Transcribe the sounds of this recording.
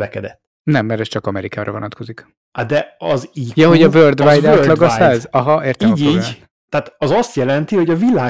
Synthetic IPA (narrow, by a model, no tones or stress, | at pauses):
vɛkɛd̪ɛt̪ː | nɛmːɛɾɛst͡ʃɒkɒmɛɾikaːɾɒvonɒt̪ko̞zik | ad̪ɛɒziːjɒɦoɟɒvørd̪vaːjd̪aːølɒɡɒsaːzɒɦɒeːrt̪ɛiːɟiːɟ | t̪ɛaːt̪ɒzɒst̪jɛlɛnt̪ihoɟɒvilaː